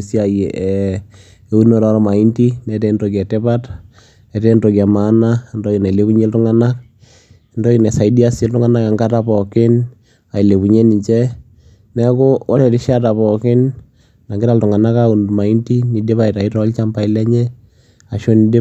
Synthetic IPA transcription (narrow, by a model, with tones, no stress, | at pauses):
si˦a˨je˨ʔɛ˨ | u˦no˨ɾɔ˦ɾɔ˨ma˨i˦nti˦nɛ˨tɛ˦ndo˨kɛ˨tɛ˦pa˦t | ɛ˨tɛ˦ndo˨ki˨a˨ma˨˦na˦ndɔ˦ki˨na˨le˦pu˦ɲe˦ltʊ˦ŋa˦na˦k̚ | ndɔ˦ki˨nɛ˨sa˨i˦di˦a˦sɛ˦ltʊ˦ŋa˦na˦ka˨ŋɡa˦ta˨pɔ˨kɪ˦n | a˨i˨le˨pu˨ɲe˦ni˨ɲt͡ʃɛ˦ | nɛ˦kʊ˦wɔ˦ɾɛ˨tɪ˦ʃa˦ta˨pɔ˨kɪ˦n | na˨ŋɡɪɾa˦ltʊ˨ŋa˨na˦kau˨nma˨i˦nti˦ni˨de˦pa˨i˨ta˨i˦tɔ˦lt͡ʃa˦mpa˨ɪ˦lɛ˦ɲɛ˦ | a˨ʃo˦ni˦de˦